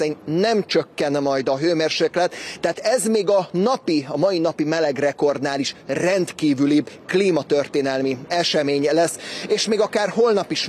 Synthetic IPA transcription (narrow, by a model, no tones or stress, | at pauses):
ɛɲnɛmt͡ʃøkːɛnmɒjd̪ɒɦøːmeːrʃeːklɛt̪ːɛat̪ɛzmeːɡɒnɒpiɒmɒjinɒpimɛlɛɡrɛko̞rd̪naːliʃrɛnt̪kiːvylibkliːmɒt̪ørt̪eːnɛlmiɛʃɛmeːɲɛlɛsːeːʃmeːɡɒkaːrɦo̞lnɒpiʃ